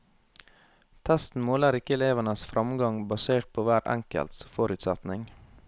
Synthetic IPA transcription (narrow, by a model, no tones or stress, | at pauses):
t̪ʰæst̪n̩moːləɾɪkəɛleːʋənəsfɾʔɑmɡɑŋbɑseːʈ̚pʰoːʋæːɾæ̰ŋkə̰lt̪sfɔɾʉːt̪sæ̰t̪nɪŋ